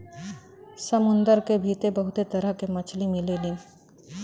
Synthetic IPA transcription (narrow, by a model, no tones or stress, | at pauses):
sɐmʊ̃nd̪əɾkebʱiːt̪ebɐɦʊt̪et̪ɐɾəɦkemɐt͡ʃʰlimileli